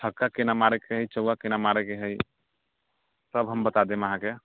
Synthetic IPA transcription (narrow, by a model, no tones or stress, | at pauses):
ʈʰəkːakenamaɾɛkeɦəjt͡ʃəakenamaɾɛkeɦəj | səbɦəmbət̪ad̪eməɦãke